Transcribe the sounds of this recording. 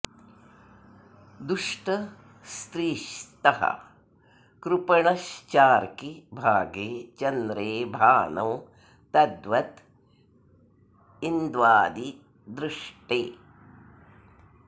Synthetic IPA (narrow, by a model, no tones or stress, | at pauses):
d̪uʂʈɐ | st̪ɾiːʃt̪ɐhɐ̰ | kɾupɐɳɐʃt͡ʃaːɾkibʱaːɡeːt͡ʃɐnd̪ɾeːbʱaːnɐm | t̪ɐd̪ʋɐt̪ | ind̪ʋaːd̪i | d̪ɾuʂʈeː